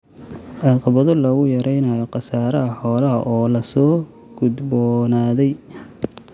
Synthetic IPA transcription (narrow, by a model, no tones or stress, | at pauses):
ɑqɑβɐðɔlɐɣʊjɐɾɛjnɐjɔqɑsaːɾɐɐħɔːlɐɐʔɔːlɐsɔː | ɡ̥ʊd̪bɔnaːðɛj